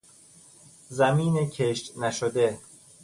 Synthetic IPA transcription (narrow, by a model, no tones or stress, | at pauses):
zæmiːnecʰeʃt̪næʃod̪e